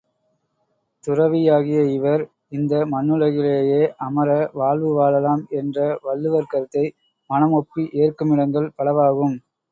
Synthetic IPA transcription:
t̪ʊrɐʋɪjaːɣɪjɐɪʋɐɾ | ɪnd̪ɐmɐnːɯlɐɣɪleːjeːʔɐmɐɾɐʋaːɭʋɯʋaːlɐlaːmɛndrɐʋɐɭːɯʋɐɾkɐɾt̪ːɐɪ | mɐnɐmɔpːiʔeːrkɯmɪɽɐŋɡɐɭpɐɭɐʋaːɣɯm

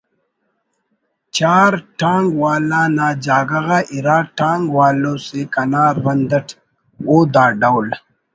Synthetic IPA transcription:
t͡ɕaːɾʈãːŋɡwaːlãːnaːd͡ʑaːɡɐɣaʔiɾaːʈaːŋɡwaːlõːsekɐnaːɾbɐnd̪ɐʈʰ | oːd̪ãːɖawl

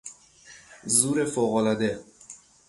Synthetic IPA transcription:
zuːɾefoɣɔlad̪e

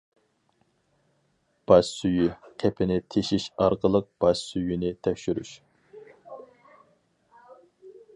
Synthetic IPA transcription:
b̥ɑʃsyjykʲʰɛpʰɪnɪt̪ʰeʃiʃɑɾqəlˠəq̚b̥ɑʃsyjynɪt̪ʰɛkʲʃyɾy̰ʃ

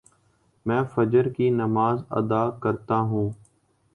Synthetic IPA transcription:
mɛ̃ːfəd͡ʒəɾkiːnəmaːzə̰d̪aːkəɾt̪aːɦũː

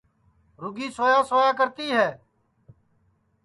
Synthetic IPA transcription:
ɾʊɡiːsoːjaːsoːjaːkəɾt̪iːɦɛː

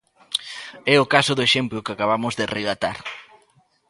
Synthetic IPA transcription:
ɛʊkasʊðʊeʃemplʊkɪakaβamʊzðɪreɣat̪a̰ɾ

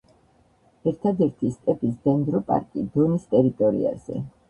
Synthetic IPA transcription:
ɛɾt̪ʰad̪ɛɾt̪ʰist̪ʼɛpʰisd̪ɛnd̪ɾɔpʼa̰ɾkʼid̪ɔnist̪ʼɛɾit̪ʼɔɾḭa̰z̥ɛ̰

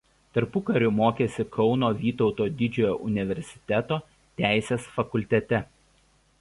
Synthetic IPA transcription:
t̪ɐɾpʊkɐɾʲʊmoːkʲeːsʲɪkʰɒʊnoːʋʲiːt̪ɔʊt̪oːd̪ʲɪd͡ʒʲoːjoːʔʊnʲɪʋʲɛɾʲsʲɪ̥t̪ʲɛt̪oː | t̪ʲæˑɪsʲeːsfɐkʊlʲt̪ʲɛt̪ʲɛ

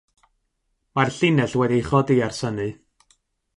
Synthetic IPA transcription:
marɬɪnɛɬwɛdijχɔdiarsənɨ

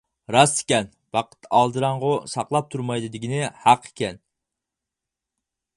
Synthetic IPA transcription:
ɾɑsɪ̥kʲɛn | b̥ɑqʰə̥t̪ːɑlˠd̪ɨɾɑɴʁʊsɑqlˠɑp̚t̪ʰuɾmɑjd̪ɨd̪ɪɡʲinɪhɑqʰe̥kʲɛn

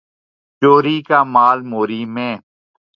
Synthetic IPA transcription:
t͡ʃoːɾiːkaːmaːlmoːɾiːmẽː

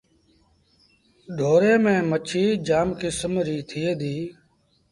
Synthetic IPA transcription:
ɖʱoːɾeːmẽːmət͡ʃʰiːd͡ʒaːmkɪsmɾiːt̪ʰɪːeːd̪iː

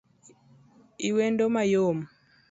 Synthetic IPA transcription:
iwɛndomajom

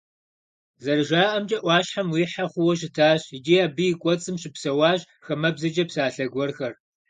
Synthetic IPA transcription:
zɐrɨʒaːʔɐmd͡ʒʼɐʔʷɑːɕħamwiːħaχʷʊwɔʃ̬ɪtʰaːɕɪd͡ʒiaːbɨjɪkʷʼɔt͡sʼɨmɕɪpsɐwɑːɕ | xɐmɐbzɐd͡ʒɐpsaːɬɐɡʷɔrxɐr

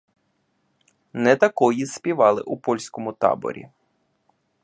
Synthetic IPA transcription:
nɛt̪ɐkɔjispʲiʋɑlˠɪ̰ʔupɔlʲsʲkɔmʊt̪ɑ̰bɔ̰ɾʲḭ

